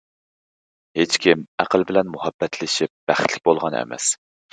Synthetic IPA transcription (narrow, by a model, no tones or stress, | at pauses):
het͡ʃkʲimæqəlˠbɪlɛnmuhɑbːɛt̪ʰlɪʃip̚b̥æχt̪ʰlɪk̚ʲbolˠʁɑnɛ̰mɛ̰s